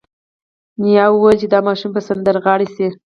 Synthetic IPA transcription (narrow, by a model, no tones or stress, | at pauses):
nijɑwwəlt͡ʃed̪ɑmɑʃumpəsand̪əɾɣɑɽisi